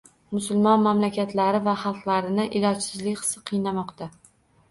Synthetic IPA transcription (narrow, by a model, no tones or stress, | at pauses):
mʊsʊlˠmɒnmamlakʲat̪ʰlaɾɪvaχɑlˠqlˠaɾɪnɪʔɪlɒt͡ʃsɪzlɪkʲχɨ̥sɨ̥qʰɨjnamɒqt̪ʰa